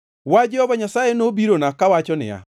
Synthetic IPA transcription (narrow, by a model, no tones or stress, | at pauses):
wad͡ʒɛhɔbaɲasajenobiɾonakawat͡ʃɔnɪ̰a̰